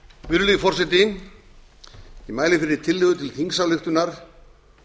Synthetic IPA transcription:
vʏɾʏliðfɔr̥sɛt̪iŋ | imaːjlɪfɪɾɪɾ̥t̪ʰɪlːɪɣðʏt̪ʰɪlθiŋsalʏxt̪ʏnaɾ̥

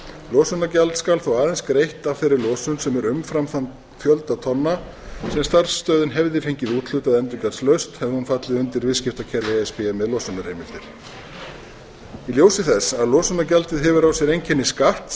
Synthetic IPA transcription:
lɔːsʏnacalt̪skalθawaːðɛnskɾejht̪avfɪɾɪɾlɔːsʏnsɛmɛɾʏmfɾamθant̪ | fjœlt̪at̪ʰɔnːa | sɛmst̪aɾ̥sːt̪œːðʏɪnɦɛvðɪfejɲcɪðuːt̪ʰl̥ʏːt̪aðɛnt̪ʏkaslœɥst̪hɛvhunfat̪lɪðʏnt̪ɪɾvɪðscɪft̪acʰɛɾvɪɛspɪamɛðlɔsʏnaɾejmɪft̪ɪɾ̥ | iljoːwsɪθɛsːaðlɔːsʏnacalt̪ɪðɦɛvʏɾawsjɛɾejɲcʰɛnːɪskaht̪

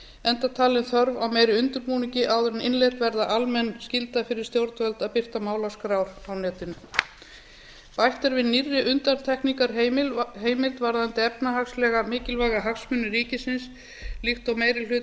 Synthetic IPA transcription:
ɛnt̪at̪ʰaːlɪnθœɾvawmeːjɾɪʏnt̪ʏɾpuːniɲcɪʔaːwðʏɾɪnɪnlejt̪vɛɾðaʔalmɛnːscɪlt̪afɪɾɪɾ̥st̪jowɾt̪vœlt̪aðpɪr̥t̪amaːwlaskɾawɾawnɛːt̪ɪnʏ | pajht̪ɛɾvɪðnirːɪʔʏnt̪ant̪ʰɛhknikaɾɦɪlɦeːjmɪlt̪vaɾðaant̪ɪɛpnaɦakslɛːɣamɪːcɪlvaːɣaɦaksmʏnːɪɾiːcɪsɪns | lixt̪ɔwmeːjɾɪl̥ʏː

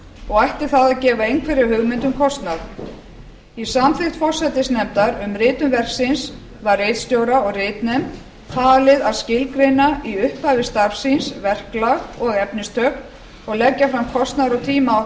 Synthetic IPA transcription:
ɔɣajht̪ɪ̥θaðacɛːvaejnŋkʰvɛɾɪɦʏɣmɪnt̪ʏmkʰɔst̪naɾ | isamθɪht̪fɔr̥sɛt̪ɪsnɛmt̪aɾʏmɾɪːt̪ʏmvɛr̥ksɪns | varːejt̪st̪jowɾaɔɣrɪːt̪nɛmt̪ | t̪ʰaːlɪðaðscɪlkɾejnaiʏhpavɪst̪aɾfsinsvɛr̥klaɣɔɣɛpnɪst̪ʰœːkn | ɔɣlɛcːafɾamkʰɔst̪naɾɔɣt̪ʰiːma

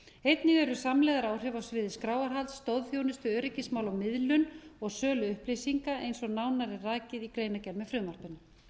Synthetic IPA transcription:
ejt̪nɪɣɛɾʏsamlɛɣðaɾaːwr̥ɛvawsvɪːðɪskɾaːwaɾ̥ɦalt̪sːt̪owðfjownʏst̪ʏœːɾɪcɪsmaːwlawmɪðlʏnɔɣsœːlʏʏhplijsiŋkaʔejnsɔnaːwnaɾɪraːcɪðikɾeːjnacɛɾmɛfɾʏːmar̥pʏnʏ

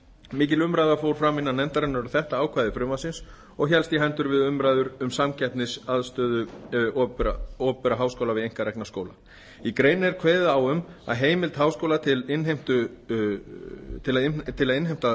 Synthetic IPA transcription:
mɪːcɪlʏmɾajðafowɾ̥fɾamɪnːanɛnt̪aɾɛnaɾʏɾθɛht̪aaːwkʰvajðɪfɾʏmasɪns | ɔɣçɛlst̪jiɦant̪ʏɾvɪðʏmɾaːjðʏɾʏmsamcɛt̪nɪsaðst̪œːðʏɔɾaɔːpʏɾaɦaːwskowlavɪðejŋ̥kaɾɛknaskoːwla | ikɾeːjnɪɛɾkʰveːjðaawʏma̰ðɦeːjmɪlt̪haːwskowlat̪ʰɪlɪnɦejm̥t̪ʏ | t̪ʰɪlaðɪt̪ʰɪlaðɪnɦejm̥t̪a

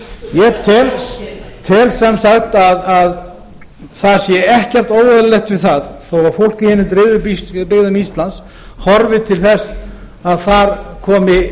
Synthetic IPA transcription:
jɛt̪ʰɛlt̪ʰɛlsɛmsaxt̪aðað | θḁsjɛɛhcɛr̥t̪oːwvaðllɛxt̪vɪðθaðθowvaɾ̥fowl̥cɪhɛnːɪt̪ɾɪðʏppɪɣðʏmist̪lans | hɔɾvɪt̪ʰɪlθɛsː | aðθaɾkʰɔːmɪ

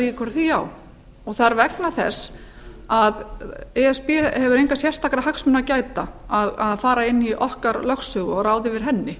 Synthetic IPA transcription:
iɪkʰɛɾθiaw | ɔɣθaaɾvɛknaθɛ̰s | aðɛɛspɛhɛvʏɾejŋkasjɛr̥st̪ʰakɾahaksmʏnacaːjt̪aaðaðfaːɾaɪnːiʔɔhkaɾlœxsʏɣɔɾaːwðɪvɪɾ̥ɦɛnːɪ

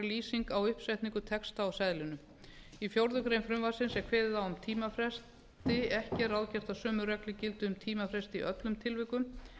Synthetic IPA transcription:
ɪliːsiŋkawʏhpsɛjht̪niŋkʏt̪ʰɛkst̪awsajðlɪnʏ | ifjowɾðʏkɾejnfɾʏmvasɪnsɛkʰvɛːðɪθawʏmt̪ʰiːmafɾɛs | t̪ɪɛhcɪɛɾawðcɛr̥t̪asœːmʏrɛklɪcɪlt̪ʏʏmt̪ʰiːmafɾɛst̪ɪḭʔœt̪lʏmt̪ʰɪlvɪkʏm

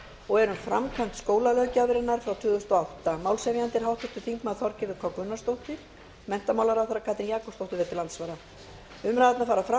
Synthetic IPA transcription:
ɔɣɛɾʏmfɾamkʰvam̥t̪skoːwlalœːɥcavɪɾɪnaɾ̥fɾawt̪ʰʏːðʏst̪ɔawht̪amaːwlsɛvjant̪ɪɾ̥ɦawht̪ɪt̪ʏ̥θiŋkmaðθɔɾcɪɾðɪkʰɔkvʏnːast̪owht̪ɪɾ̥ | mɛn̥t̪amawlaɾawθaɾakʰaːt̪ɾɪnjaːkɔst̪owht̪ɪɾvɛt̪ɪlant̪svaːɾa | ʏmɾaðat̪nafaːɾafɾa

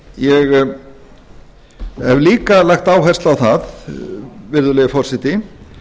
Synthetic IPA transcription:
jɛɣ | hɛvliːkalajxt̪aːwɦajrst̪lawθað | vɪɾðʏlɛːjɣɪfɔr̥sɪt̪ɪ

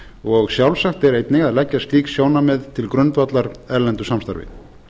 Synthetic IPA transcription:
ɔɣsjawlsahkt̪ɛɾejt̪nɪɣaðlɛcːast̪liːksjoːwnamɛðt̪ʰɪlkɾʏnt̪vat̪laɾɛɾlɛnt̪ʏ̥samst̪a̰ɾvɪ̰

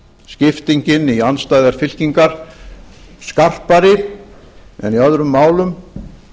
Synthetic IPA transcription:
scɪft̪iɲcɪnianst̪aːjðaɾ̥fɪl̥ciŋkaɾ̥ | skar̥paɾɪ | ɛ̰niaðɾʏmːaːwlʏm

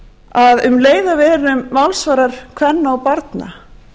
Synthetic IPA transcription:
aðʏmleːjðavɛːɾʏmvalsvaːɾaɾ̥kʰvɛnːaɔpaɾt̪na̰

